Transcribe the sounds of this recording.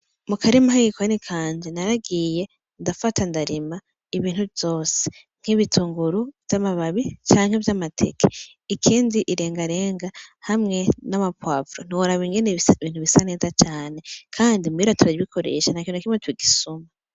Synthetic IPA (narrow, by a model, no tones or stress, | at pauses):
mukʰaɾimahaɡikwonikʰaːɲd͡ʒenaɾaɡije̞ | ndafatandaɾima | iβiːn̥huvjo̞ːse̥ | ŋ̥hiβitʰuːŋɡuɾuvjamaβaβit͡ʃaːŋhe̞vjamatʰe̞̰kʰe̥ | ikʰiːndiʔiɾe̞ːŋɡaɾe̞ːŋɡahamŋe̞namapwaːvɾon̥iwoɾaβiŋɡe̞neiβiːn̥huβisane̞ːzat͡ʃaːne̞kʰaːndimuiɾatʰuɾaiβikʰo̞ɾḛːʃanakiːnokimŋetuwiɡisuma